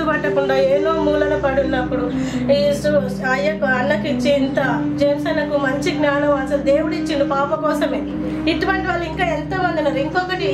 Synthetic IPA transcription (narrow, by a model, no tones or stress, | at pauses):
ubɐʈːɐkuɳɖaːeːnoːmuːlɐlɐpɐɽunːɐpːuɽu | isu | ɐjːɐkuɐnːɐkit͡ʃːiːnt̪ɐd͡ʒɐnɐsɛːnɐkumɐɲt͡ʃiɡnaːɳɐmɐnsɐld̪e̞ːwuɽuit͡ʃːind̪ipaːpɐkɔːsɐmeː | iʈːuʋɐɳʈiʋaːlːɐiŋkaːent̪ɐmɐnd̪inɐɾiŋkɔkɐʈi